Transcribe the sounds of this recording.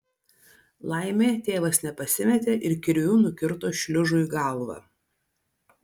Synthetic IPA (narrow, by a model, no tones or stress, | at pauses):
lˠɑɪmʲeːt̪ʲeːʋɐsnʲɛpɐsʲɪmʲɛt̪ʲeːʔɪɾkʲɪɾʲuːnʊkʲɪɾt̪oːʃʲlʲʊʒʊiɡɑlˠʋɑ̰